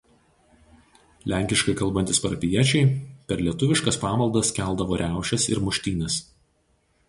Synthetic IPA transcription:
lʲæˑŋʲkʲɪʃkɐɪkɐlˠbɐnt̪ʲɪspɐɾɐpʲɪjiɛt͡ʃʲɛɪpʲɛɾlʲiɛt̪ʊʋʲɪʃkɐspɑːmɐlˠd̪ɐskʲæˑlˠd̪ɐʋoːɾʲæˑʊʃʲɛsɪ̰ɾmʊʃʲt̪ʲiːnʲɛs

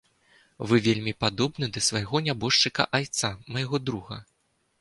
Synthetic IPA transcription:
vɨvʲelʲmʲipad̪ɔbnɨd̪ɐsvajɣɔnʲabɔʂt͡ʂɨkɐ̰ʔajt̪samɐjaɣɔd̪ɾuɣɐ̰

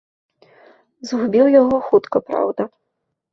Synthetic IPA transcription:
zɦubʲiwjaɣɔxut̪kɐpɾa̰wd̪ɐ

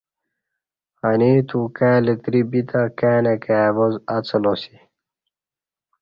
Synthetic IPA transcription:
haniːt̪ukæːlet̪ɾibit̪akæːnekæːvozɐt͡sɐlosi

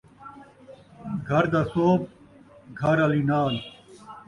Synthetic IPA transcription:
ɡʱɐɾd̪ɐsoːb | ɡʱɐɾɐlinaːl

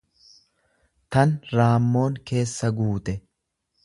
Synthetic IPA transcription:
t̪ɐnɾaːmːo̞ːŋke̞ːsːɐɡuːt̪ɛ

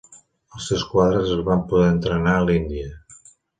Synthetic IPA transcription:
əlˠsewskwaðɾəzəzβampuðɛənt̪ɾənaəlind̪iə

